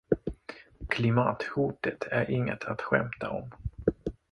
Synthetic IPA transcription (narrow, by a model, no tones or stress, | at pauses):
kʰlɪmɑːt̪hʊːʈət̪ʰæɾʔɪŋːə̰t̪ʰat̪ɧɛ̰mt̪ʰaɔm